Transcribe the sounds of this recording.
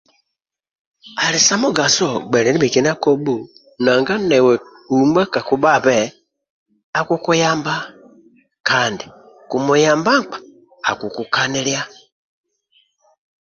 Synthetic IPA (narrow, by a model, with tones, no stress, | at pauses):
a˨li˨sa˦mu˦ɡa˨sɔ˦˨ɡ͡bɛ˨ɾɛ˨ni˦mi˨ki˨n˦a˦kɔ˦bu˦˨ | na˨ŋɡa˦nɛ˨wɛ˨ | u˨mba˦ka˨ku˨ba˦˨βɛ˨ | a˨ku˦ku˦ja˦mba˦ | ka˨ndi˨ | ku˨mu˨ja˨mba˦k͡pḁ̰ː˨ | ku˨ku˨ka˦ni˦lja˦